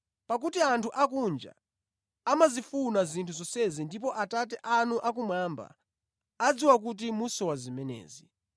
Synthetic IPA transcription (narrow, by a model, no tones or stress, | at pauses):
pak̬utiantʰuʔakund͡ʒa̰ː | mazifunazintʰuzɔsɛzindip̬ɔʔatatɛʔanuʔakumwaːmba̰ː | d͡ziwak̬ut̬imusɔwazimɛnɛ̰ːzi